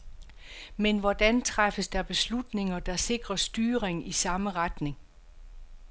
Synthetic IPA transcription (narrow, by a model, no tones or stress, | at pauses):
menʋɒd̥ænt͡sʰʁafəsd̥ɑb̥e̝slud̥ne̝ŋɐd̥ɑ̈se̝ɡ̥ʁɐsd̥yːɐʁeŋisɑ̈məʁad̥ne̝ŋ